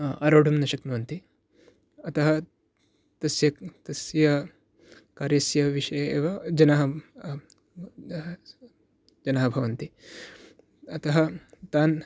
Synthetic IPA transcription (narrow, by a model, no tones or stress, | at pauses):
ɐɾoːɽʱɐmnɐʃɐknuːɐnt̪i | ɐt̪ɐɦɐ | t̪ɐsjɐt̪ɐsjɐ | kaːɾjɐsjɐʋiʂɐjɐeːʋɐd͡ʒɐnɐɦɐ | d͡ʒɐnɐːɦɐbʱɐʋɐnt̪i | ɐt̪ɐɦɐt̪aːn